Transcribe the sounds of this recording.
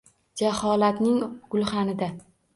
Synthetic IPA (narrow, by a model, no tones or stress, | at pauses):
d͡ʒahɒlat̪nɪŋɡ̥ʊlˠχanɪd̪a